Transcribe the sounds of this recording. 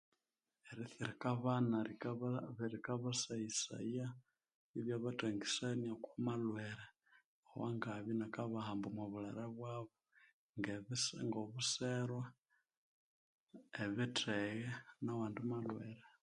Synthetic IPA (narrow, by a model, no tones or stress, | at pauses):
eɾiθiɾikaβana | βɾikaβasaisa̰ia | iβjaβateŋɡisenjakwamalweɾe | owaŋɡaβinakaβahambumwaβulaɾaβwaβo | ŋɡeβisŋɡoβuseɾwa | eβitʰeɣenawaːndumalweɾe